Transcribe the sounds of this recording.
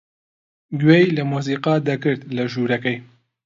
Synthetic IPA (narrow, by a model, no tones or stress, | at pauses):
ɡwejlɐmuːs̬iːqɑd̪ɐkɨɾt̪lɐʒuːɾɐkɛj